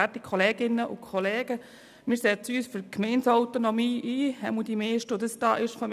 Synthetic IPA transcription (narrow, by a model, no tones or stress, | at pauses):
ætikχɔleːɡɪnːəʔʊ̰kʰɔleːɡ̥ə | mɪːɾsɛːt͡st͡syːsfykmɛɪnsɔwt̪onɔmiːʔiːhɛ̰mudimeːʃtʊd̪əsd̥̪ɑ̰ːʔɪʃfɔm